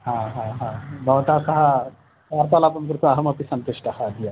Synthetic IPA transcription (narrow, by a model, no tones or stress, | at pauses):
ɦãɦãɦãbʱɐʋt̪asɐɦa | kaɾt̪alaːpɐnk̬uɾt̪oɐɦɐmɐpisɐnt̪uʂʈɐhad̪ija